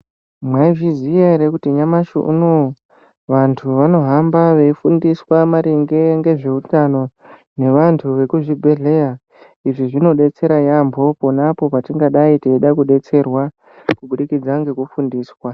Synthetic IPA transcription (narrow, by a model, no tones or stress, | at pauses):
mwaivizieɾekutiɲamaʃṵṵno | ʋantʰuʋano̞ɦambaʋe̞ifundiswamaɾiŋɡe̞ŋɡe̞ʐe̞utano̞ | ne̞ʋantʰuʋe̞kuʐibʱe̞ɮe̞ja | iʐiʐino̞ɗe̞t͡se̞ɾajambʱo̞ponapo̞patiŋɡaɗaitiiɗakuɗe̞t͡se̞rwa | kuɓuɗikid͡zaŋɡe̞kufundiːswa